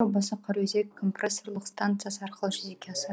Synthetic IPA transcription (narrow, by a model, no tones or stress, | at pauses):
obɑsɑqʰɑɾwɵzekkʰːo̞mpreso̞ɾlˠəqst̪ant̪sɨjasəɑɾqəlˠəʒɪzekʲeɑsə